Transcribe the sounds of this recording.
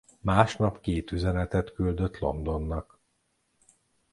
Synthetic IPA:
maːʃnɒpkeːt̪yzɛnɛt̪ɛt̪kyld̪øt̪lo̞̰nd̪o̞nːɒk

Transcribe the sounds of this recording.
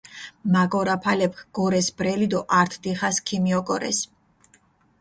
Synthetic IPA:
maɡʼɔɾapʰalɛp̚ʰkʰɡ̥ɔɾɛsbɾɛlid̪ɔʔaɾt̪ʰd̪iχaskʰimiɔkʼɔɾɛ̰s

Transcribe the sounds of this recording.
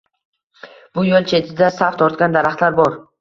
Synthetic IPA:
b̥ʊjolˠt͡ʃʰe̞t̪ʰɪd̪asaft̪ʰɒɾt̪̚kʲand̪aɾaχt̪laɾbɒɾ

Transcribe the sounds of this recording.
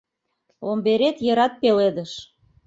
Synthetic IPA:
ombeɾet̪jɤɾɑt̪̚peled̪əʃ

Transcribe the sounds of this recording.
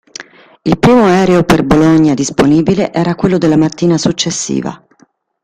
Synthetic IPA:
ilpɾiːmoɛːɾeoperboloɲːad̪isponiːbileʔɛːɾakwelːod̪elːamat̪ːiːnasut͡ʃːesːḭːva̰

